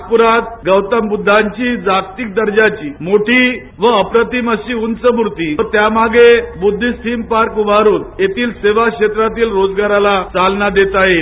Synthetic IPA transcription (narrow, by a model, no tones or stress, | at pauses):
puɾat̪̚ɡəwt̪əmbud̪ʱːaɲt͡ɕiːd͡zakt̪ik̚d̪əɾd͡ʑat͡ɕiːmoʈʰi | ʋəəpɾət̪iməɕiːunt͡səmuɾt̪iːət̪jamaɡebud̪ʱːist̪ʰimpaɾkuʋaɾuːnjet̪iːlseʋakʂet̪ɾat̪iːlɾod͡zɡaɾalat͡salnad̪et̪aɦe